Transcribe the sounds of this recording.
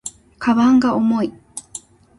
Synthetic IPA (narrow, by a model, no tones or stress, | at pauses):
kʰaβaŋɡaomoi